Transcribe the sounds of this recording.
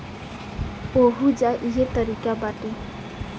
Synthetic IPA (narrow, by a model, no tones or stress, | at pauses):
oɦud͡ʒaʔiɦet̪ɔɾikabaʈe